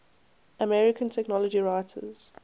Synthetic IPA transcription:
əmɛɹɪkʰə̃ntʰɛknɔləd͡ʒiɹaɪtʰə̰z̥

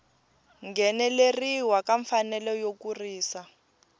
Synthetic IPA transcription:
ŋɡɛnɛleriwakaɱfanɛlɔjokuriːsa

